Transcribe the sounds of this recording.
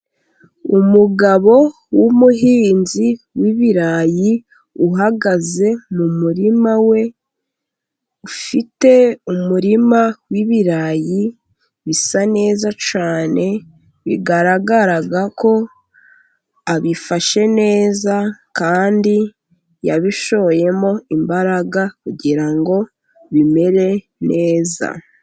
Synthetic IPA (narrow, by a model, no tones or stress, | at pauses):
umuɡaβo̞ | wumuɦiːnzi | wiβiɾaji | uɦaɡaze̞mumuɾimawe̞ | ufite̞umuɾimawiβiɾaji | βisane̞ːzat͡ʃaːne̞ | βḭɡaɾaɡaɾaɡako̞ | aβifaʃe̞ne̞ːzakaːndi | jaβiʃo̞βoje̞mo̞imbaɾaɡakuɟiɾaŋɡo̞ | βime̞ɾe̞ | nʔe̞ːza̰